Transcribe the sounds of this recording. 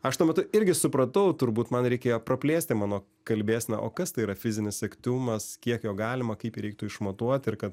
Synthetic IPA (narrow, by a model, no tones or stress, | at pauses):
ɐʃt̪uɔmʲɛt̪ʊɪɾʲɡʲɪsʊpɾɐt̪ɐʊt̪ʊɾbuːt̪mɐnɾʲɛɪkʲeːjoːprɐpʲlʲeːsʲt̪ʲɪmɑːnoː | kɐlʲbʲeːsʲnʲɛ̰ʔoːkɐst̪ɐɪiːɾɐfʲɪzʲɪnʲɪsɛkt̪ʲuːmɐskʲiɛkjoːɡɑːlʲɪmɐkɐɪpiɾʲɛɪk̚t̪ʊɪʃmoːt̪uɔt̪ʲɪrkɐt̪